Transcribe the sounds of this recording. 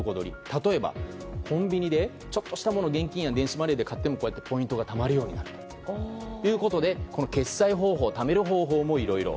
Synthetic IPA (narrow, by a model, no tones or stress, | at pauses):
ko̞d̪o̞̰ɾʲḭt̪at̪o̞e̞ba̰ | kʰõ̞mbʲiɲ̟id̪e̞ | t͡ɕo̞t̪ːo̞ɕi̥t̪amo̞no̞ɡẽ̞ŋkʲĩjãnd̪e̞ɰ̃ɕimaɾeːd̪e̞kat̪ːe̞mokoːjat̪ːe̞po̞ĩnt̪o̞ɡat̪amaɾɯ̟jo̞ːɲ̟inaɾɯ̟t̪o | jɯ̟ːko̞t̪o̞d̪e̞ko̞no̞ke̞saiɦo̞ːɦo̞ːt̪ame̞ɾɯ̟ɦo̞ːɦo̞ːmo̞iɾo̞iɾo̞̰